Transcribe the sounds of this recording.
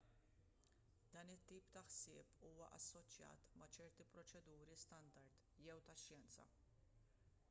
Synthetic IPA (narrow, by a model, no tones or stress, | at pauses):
d̪̥ɐːnɪt̪ːiːpt̪ɐħsɪːpuːwɐʔɐsːɔt͡ʃjɐ̰ːt̪mɐt͡ʃɛɾt̪ipɾɔt͡ʃɛd̪uːɾist̪ɐnd̪ɐɾt̪ | jɛwt̪ɐʃjɛnt͡sɐ̰